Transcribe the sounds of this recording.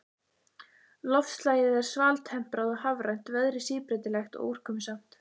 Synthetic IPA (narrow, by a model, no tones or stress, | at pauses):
lɔft̪laːjɪðɛɾ̥svaːlt̪hɛm̥pɾaðɔhavɾajn̥t̪vɛðɾɪsiːpɾɛt̪ɪlɛxt̪ɔ̰ʔuwr̥kʰœːmʏsam̥t̪